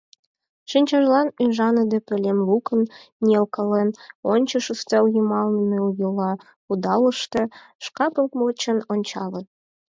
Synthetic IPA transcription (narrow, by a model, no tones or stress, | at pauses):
ʃinʲt͡ɕɑʒlɑnyʒɑnə̆d̪ĕpɘ̆lʲemlukənːʲelkə̆lenonʲt͡ɕə̆ʃust̪ewjumɑlnəmeujulɑ | ud̪ɑlə̆ʃt̪ɤ̆ | ʃkɑpəlt̪mot͡ɕə̆nonʲt͡ɕɑle